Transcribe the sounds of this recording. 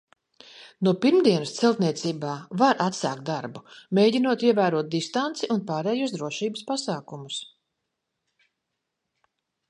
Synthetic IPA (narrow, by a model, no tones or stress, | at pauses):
nupiɾmd̪iɛnst̪sɛlˠt̪niɛt̪siːbaːvaɾʔat̪sa̰ːkt̪d̪aɾbumeːjɟinuɔt̪iɛvæːɾuɔt̪̚d̪ist̪ant̪siʔunpaːɾɛːjusd̪ɾuɔʃiːbəspasaːkumus